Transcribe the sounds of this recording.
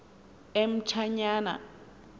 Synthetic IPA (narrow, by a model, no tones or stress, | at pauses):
em̩t͡ʃʰaɲaːna̰